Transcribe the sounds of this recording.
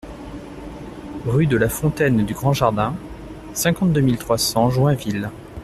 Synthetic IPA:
ʁyd̪əlafɔ̃t̪ɛnd̪yɡʁɑ̃ʒaʁd̪ɛ̃ | sɛ̃kɑ̃t̪̚d̪əmilt̪χwasɑ̃ʒwɛ̃vil

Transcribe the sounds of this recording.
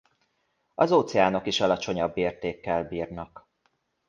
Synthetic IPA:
ɒzoːt̪sɛaːno̞kiʃɒlɒt͡ʃo̞ɲɒbːeːrt̪eːkːɛlbiːrnɒk

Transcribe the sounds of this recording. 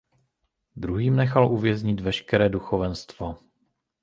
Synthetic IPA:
d̪ɾuɦiːmnɛxalʔuvjɛzɲɪt̪vɛʃkɛɾɛːduxovɛnst̪vo

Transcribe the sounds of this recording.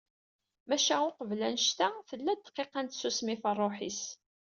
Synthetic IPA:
mæʃæʊqəvlænʃt̪æθəlːæd̪qːeqænt̪susmifərˤːoħis

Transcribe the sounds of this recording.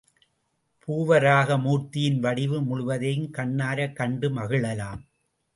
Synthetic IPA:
pʰuːʋɐɾaːɣɐmuːrt̪ɪjɪnʋɐɽɪʋɯmʊɭʊʋɐðɐjɯmkɐɳːaːɾɐkːɐɳɖɯmɐɣɯɭɐlaːm

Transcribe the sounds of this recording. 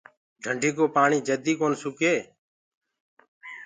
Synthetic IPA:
ɖʱəɳɖʱiːkoːpaːɳiːd͡ʒəd̪iːkoːnsukeː

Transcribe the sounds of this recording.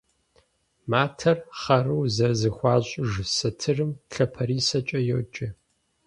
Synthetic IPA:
maːtʰɐrχɐruwzɐzɨxʷɑːɕʼʒsɐtʰɨrɨmɬɐpʰɐɾiːsɐt͡ʃʼɐjo̰wt͡ʃʼɪ

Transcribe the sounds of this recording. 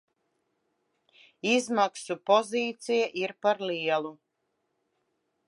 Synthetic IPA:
izmaksupɔziːt̪sijaʔiɾpaɾliɛlˠu

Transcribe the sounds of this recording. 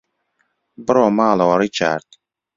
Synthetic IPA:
bəɾoːmaːloɾit͡ʃʰa̰ɾt̪

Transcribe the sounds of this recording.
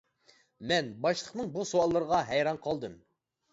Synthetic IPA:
mɛnbɑʃlˠəqnɨŋbusuɑlˠːəɾəʁɑɦæjɾɑnqʰɑlˠd̪ɨm

